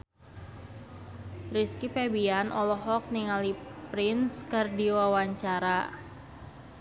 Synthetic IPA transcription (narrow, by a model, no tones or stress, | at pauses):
riskipɛbianʔɔlɔɦɔk̚niŋalipɾɪnskɨrdiwawaɲt͡ʃaɾa